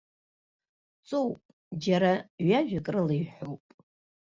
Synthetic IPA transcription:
t͡sʼowpʼ | d͡ʒaɾaɥaʒᶣakʼrɨlɨjħʷowpʼ

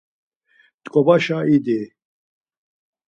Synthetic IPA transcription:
t̪ʼkʼɔbaʃaid̪i

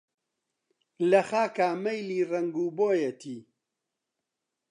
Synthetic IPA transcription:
lɐxaːkaːmɐjliːrɐŋɡuːboːjet̪ʰiː

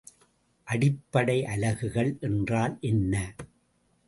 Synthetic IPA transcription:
ʔɐɽɪpːɐɽɐɪʔɐlɐɣɯɣɐɭʔɛndraːlʔɛnːɐ

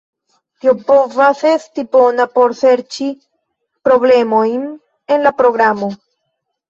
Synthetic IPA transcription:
tiopo̞vase̞stipo̞napo̞ɾse̞ɾt͡ʃi | pɾo̞ble̞mo̞jn | e̞nlapɾo̞ɡɾamo̞

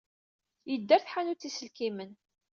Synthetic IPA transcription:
jəd̪ːæɾθħanut͡sːisəlkimən

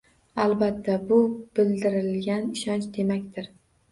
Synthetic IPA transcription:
alˠbat̪ʰːabʊb̥ɪld̪ɪɾɪlɡʲanɪʃɒnt͡ʃd̪e̞makʲt̪ʰɪɾ

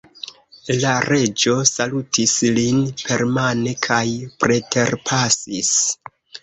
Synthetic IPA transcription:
laɾe̞d͡ʒo̞salutislinpʰe̞ɾmane̞kʰajpɾe̞tʰe̞ɾpʰasis

